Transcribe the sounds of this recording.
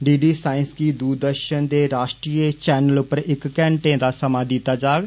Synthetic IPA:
ɖiːɖiːsaːɪnskiːd̪uɾd̪əɾʃənd̪eːɾaːʃʈɾiːet͡ʃɛːnəlʊpːəɾɪkːɛ̃ːɳʈẽːd̪aːsəmaːd̪it̪ːaːd͡ʒaːɡ

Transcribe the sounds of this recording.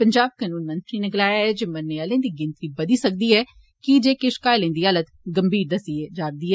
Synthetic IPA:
pəɲd͡ʒaːb̚kaːnuːnmə̃nt̪ɾiːnɪklaːjaɦɛd͡ʒeːmənːeːəlẽːd̪iːɡɪnt̪ɾiːbəd̪iːsək̚d̪iːɦɛː | kid͡ʒeːkɪʃkaːəlẽːd̪iːələt̪ɡəmbʱiːɾd̪əsied͡ʒaːɾd̪iːɦɛː

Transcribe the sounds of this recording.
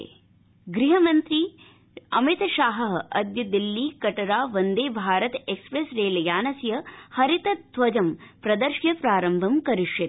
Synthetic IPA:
ɡɾiɦɐmɐnt̪ɾi | ɐmit̪ʃaːɦɐɦɐd̪jɐd̪ilːiːkɐʈɐɾaːʋɐnd̪eːbʱaːɾɐt̪ekspɾesɾeːlɐjaːnɐsjɐhɐɾit̪ɐt̪ʋɐd͡ʒɐmpɾɐd̪ɐɾʃjɐpɾaːɾɐmbʱɐmkɐɾiʃjɐt̪

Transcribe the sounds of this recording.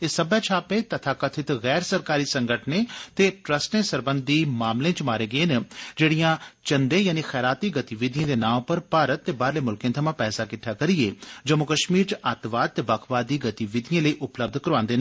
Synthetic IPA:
ɪsəbaːt͡ʃʰaːpeːt̪ət̪ʰaːkət̪ʰɪt̪ɣɛːɾsəɾkaːɾiːsəŋɡəʈʰneːt̪eːʈɾəsʈẽːsəɾbənd̪iːmaːmlẽːt͡ʃmaːɾeːɡəeːnd͡ʒeːɽijãːt͡ʃənd̪ẽːjaːniːxɛːɾaːt̪iːɡət̪iʋɪd̪ɪãːd̪eːnaːmpəɾpaːɾət̪ːeːbaːɾleːmʊlkẽːt̪ʰəmãːpɛːsaːkɪʈʰːaːkəɾieːd͡ʒəmʊkəʃmiːɾt͡ʃət̪ʋaːd̪̚t̪ːeːbakʰʋaːd̪iːɡət̪iʋɪd̪ɪjãːləiːʔʊpləb̚d̪ʱkəɾʋãːnd̪eːn

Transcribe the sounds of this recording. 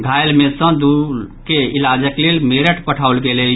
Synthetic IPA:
ɡʱajlmesə̃d̪ukeilad͡ʒəklelmeɾəʈpəʈʰawlɡelɛ

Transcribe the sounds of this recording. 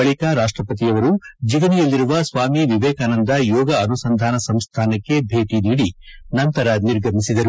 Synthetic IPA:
ɐɭikaɾaːʂʈɾɐpɐt̪̬ijɐʋɐɾud͡ʒiʋɐnijɐlːiɾuʋɐsʋaːmiʋiʋɛːkaːnɐnd̪ɐjɔːɡɐːnusɐnd̪ʱaːnɐsɐmst̪ʰaːnɐkːe̞bʱe̞ːʈiniːɽinɐnt̪ɐɾɐniɾɡʱɐmisid̪ɐɾu

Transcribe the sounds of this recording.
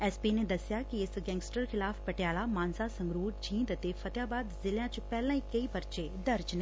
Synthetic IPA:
ɛːspiːned̪ɐsjakiɪsɡɛ̃ːŋɡsʈəɾkʰɪlaːpʰpɐʈjaːlamaːnsasɐ̃ŋɡɾuːɾd͡ʒʰĩːnd̪t̪efɐt̪jaːbaːd̪zɪljãt͡ʃpɛːlãːikɐipɐɾt͡ʃed̪ɐɾt͡ʃnɛ̃ː

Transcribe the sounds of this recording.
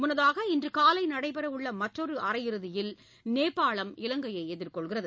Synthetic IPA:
mʊnːɐðaːɣɐɪndrɯkaːlɐɪnɐɽɐɪpɐɾɐʋɯɭːɐmɐʈrɔɾɯɐrɐjɪɾɯðɪjɪl | neːpːaːɭɐmɪlɐŋɡɐjɐɪɛðɪrkɔɭɣɪrɐðɯ

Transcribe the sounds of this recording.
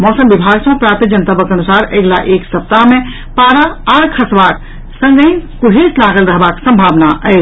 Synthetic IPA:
mɔsəmbibʱaɡsə̃pɾaɾt̪id͡ʒənt̪əbəkənusaɾeɡlaʔeksəp̚t̪ame | paɾaaɽkʰəsbak | sə̃ŋɡəkuɽ̤ʱeslaɡəlɾəɦbaksə̃mbʱabnaʔət͡ʃ

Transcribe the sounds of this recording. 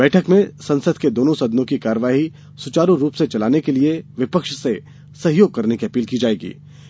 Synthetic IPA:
bɛːʈʰəkmẽsɐ̃nsəd̪ked̪oːnõsɐd̪nõkikaːɾəʋaːɦi | sʊt͡ʃaːɾuɾuːpset͡ʃɐlaːnekelieʋɪpəkʃse | sɐɦjoːɡ̚kɐɾnekiɐpiːlkid͡ʒaːeːɡḭː

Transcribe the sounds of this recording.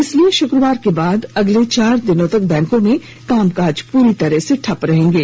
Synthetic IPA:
ɪslieʃʊkɾəʋaːɾkebaːd̪ɐɡlet͡ʃaːɾd̪ɪnõt̪ɐk̚bɛ̃ːŋkõmẽ | kaːmkaːd͡ʒpuːɾit̪ɐɾɛseʈʰɐpɾɐɦẽːŋɡeː

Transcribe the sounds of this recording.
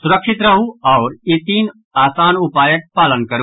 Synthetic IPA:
sʊɾəkʃɪt̪ɾɐɦuɔːɾit̪iːn | aːsaːnʊpaːjək̚paːlənkɐɾu

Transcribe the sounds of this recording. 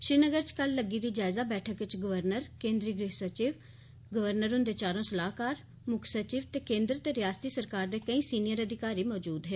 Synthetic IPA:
ʃɪːnəɡəɾt͡ʃkəlːəɡiːd̪iːd͡ʒaːɪzaːbɛːʈʰəkʋɪt͡ʃɡʊʋəɾnəɾkẽːnd̪ɾiːɡɾeːsət͡ʃiːʋ | ɡəʋəɾnəɾɦʊ̃nd̪eːt͡ʃaːɾõːsəlaːkaːɾ | mʊkʰsət͡ʃiːʋt̪eːkẽːnd̪ɾt̪eːɾɪjaːst̪iːsəɾkaːɾd̪eːkəĩːsiːnɪjəɾəd̪ɪkaːɾiːmɔːd͡ʒuːd̪ɦeː

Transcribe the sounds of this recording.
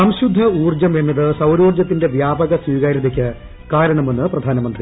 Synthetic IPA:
sɐmɕud̪ʱːɐuːrd͡ʑɐmemiðɨsɐwɾuːrd͡ʑɐt̪̬ːinde̞ʋjaːbɐɣɐswiːɣaɾiðik̬ʲːɨ | kaːɾɐɳɐme̞nːɨprɐd̪ʱaːnɐmɐnd̪ri

